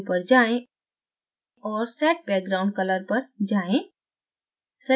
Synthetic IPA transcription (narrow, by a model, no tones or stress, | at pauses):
pəɾd͡ʒaːẽ | ɔːɾsɛːʈ̚bɛːk̚ɡɾaːʊ̃ɳɖ̚kɐləɾpɐɾd͡ʒaːẽ | sɐ